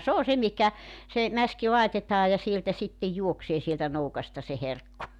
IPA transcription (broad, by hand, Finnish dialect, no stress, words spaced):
s oː se mihkæ se mæski lɑitetɑː jɑ sieltæ sitːe juokseː sieltæ noukɑstɑ se herkːu